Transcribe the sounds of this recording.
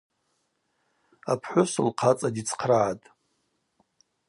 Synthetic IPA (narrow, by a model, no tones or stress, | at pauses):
apʰħʷʊsɨlqʰat͡sʼadit͡sʰqʰraʕatʼ